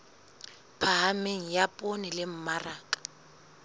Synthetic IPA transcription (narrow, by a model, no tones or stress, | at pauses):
pʰaɦameŋ̩japʼonɪlɪm̩maraːkʼḁ